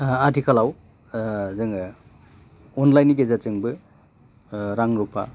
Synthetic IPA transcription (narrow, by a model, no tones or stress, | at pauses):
adikʰalaw | zɯŋ | ɔnlajniɡezat͡ʃɯŋbɯ | ɾaŋɾupʰa̰